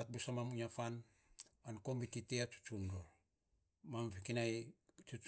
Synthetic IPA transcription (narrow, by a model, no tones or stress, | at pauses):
at̚busamamuɲafan | ankombititeat͡ʃu̥t͡ʃundo | mamfikinaj | t͡ʃu